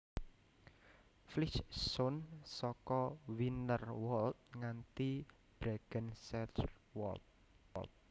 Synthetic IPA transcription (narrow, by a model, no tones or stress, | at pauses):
flit͡ʃsɔnsɔkɔwinərwɔlt̪̚ŋant̪i | b̥ɾaɡ̥ənsɛtw̰ | lt̪̚